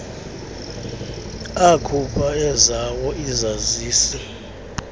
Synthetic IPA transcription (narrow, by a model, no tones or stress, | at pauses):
akʰupʰʼaɛzawɔizaziːsɛ